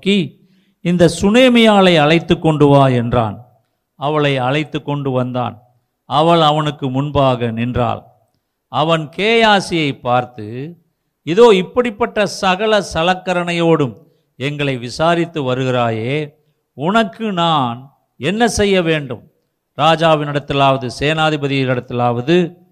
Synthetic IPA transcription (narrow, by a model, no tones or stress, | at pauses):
ki | ɪnd̪ɐsʊneːmɐjaːɭɐɪɐɭɐɪt̪ːɯkːɔɳɖɯʋaːɛndra̰ːn | ɐʋɐɭɐɪɐɻɐɪt̪ːɯkːɔɳɖɯʋɐnd̪a̰ːn | ɐʋɐɭɐʋɐnɯkːɯmʊnbaːɣɐnɪndra̰ːl | ʔɐʋɐnkeːjaːsɪjɐɪpːaːɾt̪ɯ | ɪðoːɪpːɐɽɪpːɐʈːɐsɐɣɐɭɐsɐlɐkːɐɾɐnɐjoːɽɯm | ɛŋɡɐɭɐɪʋɪsaːɾɪt̪ːɯʋɐɾɯɣɪɾaːjeː | ʊnɐkːɯnaːn | ɛnːɐsɛjːɐʋeːɳɖɯm | ɾaːd͡ʒaːʋɪnɪɽɐt̪ːɪlaːʋɐðɯseːnaːðɪbɐðɪjɪɪɽɐt̪ːɪlaːʋɐðɯ